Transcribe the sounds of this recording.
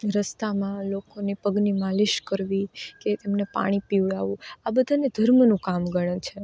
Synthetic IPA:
ɾəst̪amãlokonepəɡnimaliʃkəɾʋiket̪emnepa̰ɽ̃ipiʋɭaʋũabəd̪ʱaned̪ʱəɾmnũkamɡəɽ̃t͡ʃʰe

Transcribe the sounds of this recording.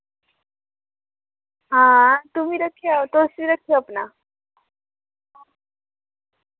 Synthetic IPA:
ɦãt̪um̤iːɾəkʰːijat̪osiːɾəkʰəapna

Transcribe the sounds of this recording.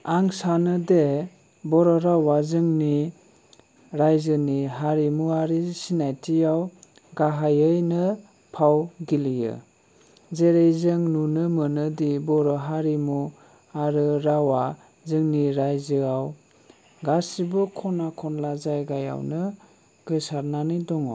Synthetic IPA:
aŋsanɯde | bɔɾɔɾawazɯŋni | ɾajzɯniɦaɾimuaɾisinajtʰijaw | ɡaɦajɯjnɯ | pʰawɡilijɯ̰ | zeɾejzɯŋnunɯmɯnɯdibɔɾɔɦaɾimu | aɾɯɾawa | zɯŋniɾajzɯaw | ɡasibɯkʰɔnakʰɔnlazajɡaja̰wnɯ | ɡ̥ɯsaɾnanidɔŋɔ̰w

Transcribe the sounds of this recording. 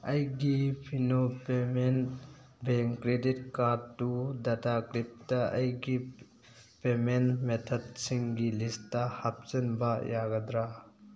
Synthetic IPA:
ɐjɡipʰinopemen | beŋkɾedit̚kaɾdːudatakɾip̚tɐɐjɡi | pemenmetʰɔd̚siŋɡilistːɐhap̚t͡ʃɐnbɐjaɡɐd̪ɾa

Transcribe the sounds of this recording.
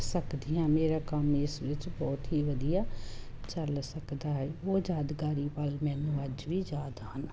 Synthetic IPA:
səkd̪ijãːmeːɾaːkəmɪsʋɪt͡ʃbɔːt̪ɦiːʋəd̪ijaːt͡ʃəlsəkd̪aːɦɛːoːd͡ʒaːd̪ɡaːɾiːpəlmɛ̃ːnũːəd͡ʒʋiːd͡ʒaːd̪ɦən

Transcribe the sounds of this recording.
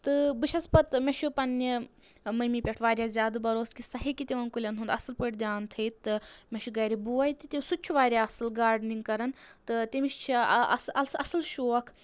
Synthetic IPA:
t̪ɨbɨʃʰɐspɐt̪mʲeʃupɐnːi | mɐmipʲɛʈʰʋaːɾʲjaːzʲjaːd̪ɨbɐɾoːskisɐɦikit̪ʲiʋɐnkulʲɐnɦund̪ɐsɨlpɨʈʲd̪jaːnt̪ʰɨjt̪ɨmʲeʃuɡɐːɾʲibuːɐjt̪it̪ʲisut͡ʃʰuʋaːɾʲaɐsɨlɡaːɾɖniŋɡkɐɾɐnt̪ɨt̪ʲimiʃt͡ʃʰiɐ̰ɐsɐsɨlʃoːɐkʰ

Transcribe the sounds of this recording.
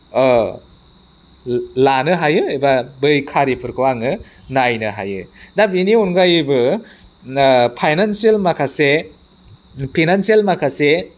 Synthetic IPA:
lanɯɦajɯejbabɯjkʰaɾipʰɯɾkʰɯwaŋɯ | najnɯɦa̰jɯ̰dabiniunɡajɯbɯ | pʰajnansielmakʰase | pʰinanselmakʰase

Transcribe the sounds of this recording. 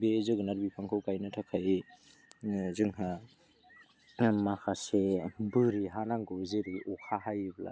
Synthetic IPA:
bezɯɡɯnaɾbipʰaŋkʰɯwkajnatʰakʰai | zɯŋɦa | makʰasebɯɾiɦanaŋɡɯzeɾiʔɔkʰaɦajibla̰

